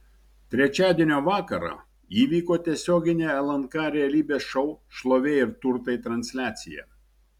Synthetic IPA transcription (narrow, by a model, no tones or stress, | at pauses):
t̪ʲɾʲɛt͡ʃʲæːd̪ʲiɛnʲoːʋɑːkɐɾɑ̰ | iːʋʲiːkoːt̪ʲiɛsʲoːɡʲɪnʲeːɛlˠɐnkɑɾʲɛɐlʲiːbʲeːsʃɔʊʃlˠoːʋʲeːɪɾt̪ʊɾt̪ɐɪt̪ɾɐnʲsʲlʲæːt̪sʲɪ̰jɛ̰ː